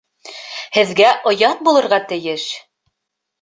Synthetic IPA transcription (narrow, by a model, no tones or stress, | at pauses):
hɘ̆ðɡæʔŏjɑt̪̚bulˠɤ̆ɾʁɑt̪ɘ̆jɘʃ